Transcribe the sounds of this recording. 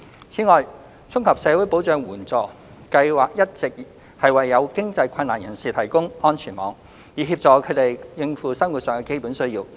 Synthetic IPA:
t͡sʰiː˨˥ŋɔː˨j | t͡sʰʊ˥ŋhɐ˨p̚sɛː˨˧wu˨˥jpo˨˥wt͡sœː˨˧ŋwuː˨˩nt͡sɔː˨ | kɐ˧jwaː˨k̚jɐ˥t̚t͡sɪ˨k̚ | hɐ˨jwɐ˨jːɐ˨˧wkɪ˥ŋt͡sɐ˧jkʷʰɐ˧naː˨˩njɐ˨˩nsiː˨˩t̪ʰɐ˨˩jkʊ˥ŋɔː˥nt͡ʃʰyː˨˩nmɔː˨˥ŋ | jiː˨˧iː˧p̚t͡sɔː˨˧kʰɵ˨˧t̪e˨jjɪ˨˧ŋfuː˨sɐ˥ŋwu˨t̚sœː˨ŋkɛ˧ke˥jpuː˨˥nsɵ˥ɥjiː˧w

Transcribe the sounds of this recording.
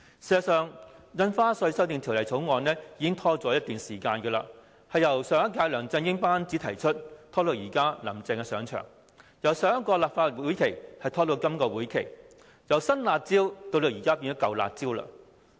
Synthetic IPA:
si˨˩zɐ˨˧sœː˨˧ŋjɐ˧nfaː˥sɵ˧sɐ˥wt̪̬i˨˧ŋt̪ʰi˨˩wlɐ˨˩jt͡sʰo˨˥wŋɔː˨˧nlɛː˥jiː˨˧kɪ˥ŋt̪ʰɔː˥t͡sɔː˨˥jɐ˥t̚t̪yː˨nsiː˨˩kaː˧nkɛː˧la̰ː˧ | hɐ˨jːɐ˨˩wsœː˨˧ŋɐ˥kaː˧jlœː˨˩ŋt͡sɐ˧nŋjɪ˥ŋpaː˥nt͡siː˨˥t̪ʰɐ˨˩jt͡ʃʰɵ˥t̚t̪ʰɔː˥lo˨˧wjiː˨˩kaː˥lɐ̰˨˩mt͡sɛ˨˧ŋkɛ˧sœː˨˧ŋt͡ʃʰœ̰ː˨˩ŋ | jɐ˨˩wsœː˧˥ŋɐ˥kɔː˧laː˨p̚faː˧t̚wu˨˥jkʰe˨˩jhɐ˨jt̪ʰɔː˥t̪o˧wkɐ˥mkɔː˧wuː˨˥jkʰe˨˩j | jɐ˨˩wsɐ˥nlaː˨˧t̚t͡siː˥wt̪o˧wlo˨˧˩jiː˨˩kaː˥p̬iː˧nɔ˥kɐ˨wla̰ː˨˩t̚t͡siː˥wla̰ː˧

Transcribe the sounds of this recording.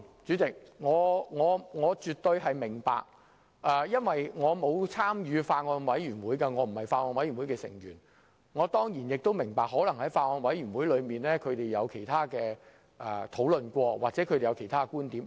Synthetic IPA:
t͡ʃyː˨˥t͡sɪ˨k̚ŋɔː˨˧ŋɔː˨˧ŋɔː˨˧t͡ʃyː˨t̪̚ːɵ˧ɥɦɐ˨jmɪ˨˩ŋpa̰ː˨k̚ | ʔɛː˨˧jɐ˥nwɐ˨jŋɔː˨˧mo˨˧wt͡sʰaː˥mjyː˨˧faː˧t̚ŋɔː˧nwɐ˨˥jjyː˨˩nwuː˨˥jkɐ˧ŋɔː˨˧m̩˨˩hɐ˨jfaː˧t̚ŋɔː˧nwɐ˨˥jɥy˨˩nwu˨˥kɛ˧sɪ̰˨˩ŋjyː˨˩n | ŋɔː˨˧t̪ɔː˥ŋjiː˨˩njɪ˨k̚t̪o˥wmɪ˨˩ŋpaː˨k̚ɦɔː˨˥lɐ˨˩ŋhɐ˨˥jfaː˧t̚ŋɔː˧nwɐ˨˥jyː˨˩nwuː˨˥jlɵ˨˧ɥmiː˨˩nlɛː˥kʰɵ˨˧ɥt̪e˨˩jɐ˨˧wkʰe˨˩jt̪ʰaː˥kɛː˧ | ʔɛ˨˩t̪ʰo˨˥wlɵ˨nkʷɔː˧waː˨k̚t͡sɛ˨˥kʰɵ˧d̪e˨jɐ˨˧wkʰe˨˩jt̪ʰaː˥˧kuː˥nt̪iː˨˥m

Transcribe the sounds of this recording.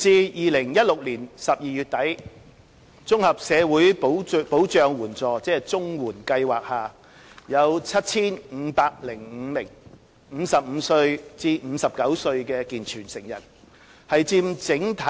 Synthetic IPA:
t͡siː˧jiː˨lɪ˨˩ŋjɐ˥t̚lʊ˨k̚liː˨˩nsɐ˨p̚jiː˨˧jyː˨t̚t̪ɐ˨˥j | t͡sʊ˥ŋhɐ˨p̚sɛː˨˧wuː˨˥jpo˨˥wpo˨˥wt͡ʃœː˨˧ŋwuː˨˩nt͡sɔː˨˩t͡sɛː˥t͡sʊ˥ŋwuː˨˩nkɐ˧jwaː˨k̚haː˨ | jɐ˨˧wt͡sʰɐ˥t̚t͡sʰiː˥nm̩˨˧paː˧k̚lɪ˨˩ŋ̩˨˧mɪ˨˩ŋ | m̩˨˧sɐ˨p̚m̩ː˨˧sɵ˧ɥt͡siː˧m̩ː˨˧˥sɐ˨p̚kɐ˨˥wsɵ˧ɥkɛː˧kiː˨nt͡ʃʰyː˨˩nsɪ˨˩ŋjɐ̰˨˩n | hɐ˨jt͡siː˧mt͡sɪ˨˥ŋt̪ʰɐ˨

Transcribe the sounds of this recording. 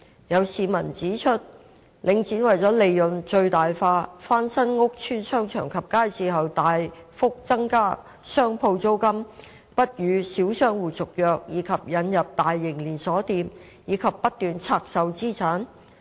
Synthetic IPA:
jɐ˨˧wsiː˨˧mɐ˨˩nt͡siː˨˥t͡ʃʰɵ˥t̚ | lɪ˨˧ŋt͡siː˨˥nwɐ˨jt͡sɔː˨˥le˨˧jːɵ˨nt͡ʃɵ˧ɥt̪aː˨jfaː˧faː˥nsɐ˥nŋʊ˥k̚t͡ʃʰyː˥nsœː˥ŋt͡ʃʰœ̰ː˨˩ŋkʰɐ˨p̚kaː˥jsiː˨ɦɐ˨wt̪aː˨jfʊ˥k̚t͡sɐ˥ŋkaː˥ | sœː˥ŋpʰo˧wt͡so˥wkɐ˥m | pɐ˥t̚jyː˨˧siː˨˥wsœː˥ŋwuː˨˩t͡sʊ˨k̚jœː˨k̚jiː˨˧kʰɐ˨p̚jɐ˨˧njɐ˨p̚t̪aː˨jːɪ˨˩ŋliː˨˩nsɔː˨˥t̪iː˧m | jiː˨˧kʰɐ˨pːɐ˥t̚t̪ːyː˨nt͡sʰaː˧k̚sɐ˨wt͡siː˥t͡sʰaː˨˥n

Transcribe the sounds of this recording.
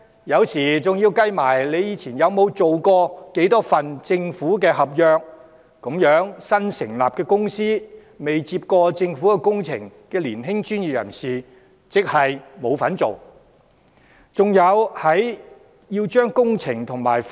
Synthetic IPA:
jɐ˨˧wsiː˨˩t͡sʊ˨ŋjiː˧wkɐ˥jmaː˨˩jle˨˧jiː˨˧t͡sʰiː˨˩njɐ˨˧wmo˨˧wt͡so˨wkɔː˧ke˨˥jt̪ɔː˥fɐ˨nt͡sɪ˧ŋfuː˨˥kɛː˧ɦɐ˨p̚jœː˧k̚ː | ʊ˨˥mjœː˨˥ŋsɐ˥nsɪ̰˨˩ŋlaː˨p̚kɛː˧kʊ˥ŋsiː˥ | me˨jt͡siː˧p̚kɔː˧t͡sɪ˧ŋfuː˨˥kɛ˧kʊ˥ŋt͡sʰɪ̰˨˩ŋkɛː˧liː˨˩nɦɪ˥ŋt͡ʃyː˥nji˨p̚jɐ̰˨˩nsiː˨˩ | t͡sɪ˨k̚hɐ˨jmo˨˧wfɐ˨˥nt͡so˨w | t͡sʊ˨ŋjɐ˨˧whɐ˨˥j | jiː˧wt͡ʃœː˥ŋkʊ˥ŋt͡sʰɪ˨˩ŋt̪ʰʊ˨˩ŋmaː˨˩jf

